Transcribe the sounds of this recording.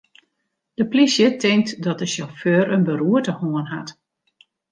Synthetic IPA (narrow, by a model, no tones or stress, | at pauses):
d̥əplisjətʰɪŋtdɔt̚dəʃɔføːɾənbəɾuətəhoənɦa̰t